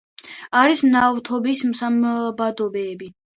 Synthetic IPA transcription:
aɾisnavt̪ʰɔbismsambad̪ɔbɛːbi

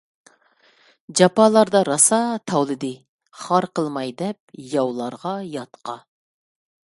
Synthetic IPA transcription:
d͡ʒɑpɑlˠɑɾd̪ɑɾɑsɑt̪ʰɑwlˠɨd̪ɨ | χɑɾqəlˠmɑjd̪ɛp̚jɑwlˠɑɾʁɑjɑt̪qʰɑ

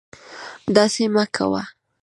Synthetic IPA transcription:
d̪ɑsemakʰa̰wa̰

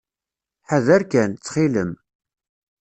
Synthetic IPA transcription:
ħaðæɾkænt͡sːχiləm

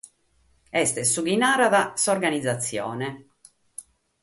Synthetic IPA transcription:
ɛst̪ɛsuɡinaːɾaðasaɔɾɡanid̪zːat̪sːjɔ̰ːnɛ

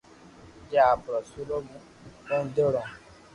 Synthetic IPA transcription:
d͡ʒaabɾɔsulomũ | õn̩deɾɔ̃

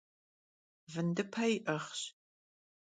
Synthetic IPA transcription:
vɨndɨpʰɐjɪʔɐχɕ

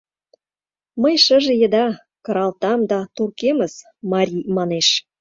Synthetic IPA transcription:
mə̆jʃə̆ʒĕjə̆d̪ɑ | kɤ̆ɾɑlt̪ɑmd̪ɑt̪urkeməz | mɑɾʲimɑneʃ

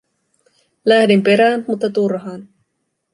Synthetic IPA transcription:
læhdimpe̞ɾæːnmut̪ːɑt̪urɦɑːn

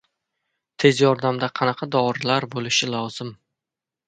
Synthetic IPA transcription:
t̪ʰe̞zjɒɾd̪amd̪aqʰɑnɑqʰɑd̪ɒɾlaɾbolɪʃɪlɒwz̥ɪm

